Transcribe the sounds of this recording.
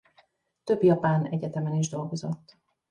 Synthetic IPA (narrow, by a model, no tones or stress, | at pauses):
t̪øbjɒpaːnɛɟɛt̪ɛmɛniʒd̪o̞lɡo̞zo̞t̪ː